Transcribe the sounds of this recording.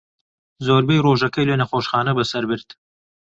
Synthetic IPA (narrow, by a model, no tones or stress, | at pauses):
zoːɾbejroːʒɐkɐjlenɐχoːʃχɑːnɐbɐsɐɾbɨɾd̪